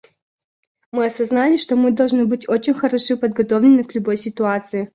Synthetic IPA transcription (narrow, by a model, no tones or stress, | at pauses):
mɨɐsɐznalʲɪʂt̪o̞mɨd̪ɐlˠʐnɨbɨtʲot͡ɕɪnʲxɐɾɐʂɨpəd̪̚ɡɐt̪ovlʲɪnːɨklʲʊbo̞jsʲɪt̪ʊat̪sɨɪ